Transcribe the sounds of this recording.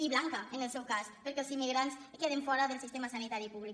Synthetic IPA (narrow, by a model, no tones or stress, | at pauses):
iβlaŋkəənəlˠsɛwkaspəɾkɛəlˠzimːiɣɾanskeð̞eɱfɔɾəðəlsist̪emasanit̪aɾipuβlik